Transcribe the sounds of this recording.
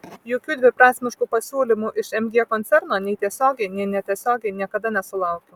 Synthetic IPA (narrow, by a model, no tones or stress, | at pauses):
joːkʲuːd̪ʲʋʲɪpɾɑːsʲmʲɪʃkuːpɐsʲuːlʲɪmuʔɪʃɛmʲɡʲiɛkɔnʲt̪sʲɛɾnoːnʲɛɪt̪ʲiɛsʲoːɡʲɛɪnʲɛɪnʲɛt̪ʲiɛsʲoːɡʲɛɪnʲiɛkɐd̪ɐnʲɛsʊlˠɐʊkʲɛ